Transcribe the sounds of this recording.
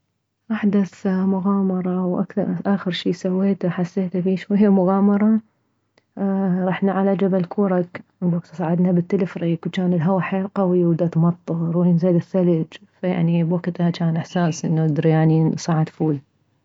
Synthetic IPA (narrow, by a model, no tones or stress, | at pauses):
ʔaħd̪aθmʊɣaːmɑɾˤɑʔwʔa̰kθɑɾˤʔaːxɪɾʃiːsawːeːt̪aħasːeːt̪afiːʃwajːamʊɣaːmɑɾˤɑ | ɾˤɑːħnaʕalad͡ʒabalkʰuːɾˤɑkbwaɡt̪sˤaːʕɪd̪nabɪt̪ːalɪfɾiːkwt͡ʃaːnɪlɦawaħeːlqawiwɪd̪at̪mɑt̪ˤːɨɾˤuɪnzaːlɪθːalɪd͡ʒfaja̰ʕnibwaɡt̪hat͡ʃaːnʔɪħsaːsʔɪnːaɪd̪ɾijaʕnisˤaʕɪd̪fuːl